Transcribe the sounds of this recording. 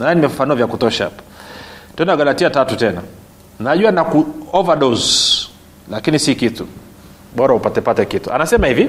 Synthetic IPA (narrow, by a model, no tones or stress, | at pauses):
naannimɛvufanuavjakutɔʃaha̰pḁtɛnnaɡalatiatatutɛna | naʄuanakuɔvaɗɔz | lakinisikitu | ɓɔɾaupatɛpatɛkitua̰nasɛmahivi